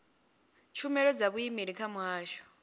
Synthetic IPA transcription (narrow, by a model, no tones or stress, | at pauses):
t͡ʃʰumɛɺɔd͡zaβuimiɺikʰamwaːʃɔ̥